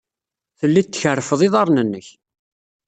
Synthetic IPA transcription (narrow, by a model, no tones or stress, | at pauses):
θəlːit̪ːçərːfəðˤiðˤɑɾˤnənːəç